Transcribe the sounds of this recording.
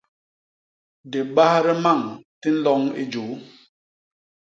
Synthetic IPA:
de˨ɓa˦hɾɛ˦ma˦˨ŋti˦n̩˦lɔ˦ŋḭ˦d͡ʒo˨˦

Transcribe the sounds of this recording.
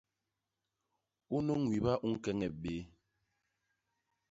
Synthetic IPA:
u˦nə˦ŋwi˨ba˦ʔu˦ŋ˦kɛ˦ŋɛ˨ɓe˨˦

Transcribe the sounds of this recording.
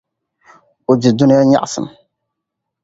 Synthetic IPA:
ʊ˨d͡ʒɪ˨du˦nɪ˦ja˦ɲa̰˦ʔsɨ̰˨m

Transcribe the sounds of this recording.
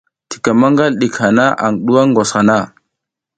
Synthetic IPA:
ti̥˨ka˨ma˦ŋɡa˦lɗi˨kha˨na˦ʔa̰˨ŋɗu˦a˦ŋɡo˨sxa˨na˦˨

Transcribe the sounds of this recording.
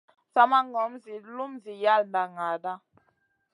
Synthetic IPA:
sa˦ma˦ŋɔ˨˦mzi˨lu˦mzi˨ja˦˨lnda˨ŋa˨da˦

